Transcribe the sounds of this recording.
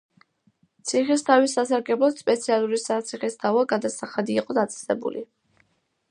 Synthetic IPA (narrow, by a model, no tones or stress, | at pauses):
t̪sʰiχist̪ʰavisasaɾɡɛblˠɔt̪spʼɛt̪sʰialˠuɾisat̪sʰiχist̪ʰavaɡad̪asaχad̪iːqʼɔd̪at̪sʼɛ̥sɛ̰bṵlʔi